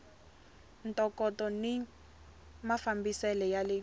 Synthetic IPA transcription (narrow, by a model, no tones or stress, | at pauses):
n̩tʼɔkɔtɔni | mafambisɛlɛjalɪ